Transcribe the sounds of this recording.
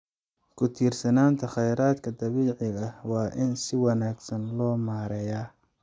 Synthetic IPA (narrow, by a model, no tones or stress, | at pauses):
kʰʊt̪ʰiːrsɐnaːnt̪ʰɐχɛjɾaːd̪kʰɐd̪ɐβiːʕɪɣɐhwɑːʔɪnsɪwɑnaːɡsɐnlɔːmaːɾɛjaː